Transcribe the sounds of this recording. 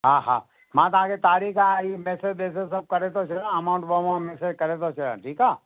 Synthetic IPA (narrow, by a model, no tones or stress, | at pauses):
ɦãːɦã̰ː | mãːt̪̬ɐãket̪aːɾiːkaimeːsed͡ʒd̪eːs̬esɐb̚kɐɾet̪ot͡ʃʰɪlɐmaːʊ̃ɳʈbomãmeːsed͡ʒkɐɾet̪̬ot͡ʃʰɐlã̰ːʈʰiːkaː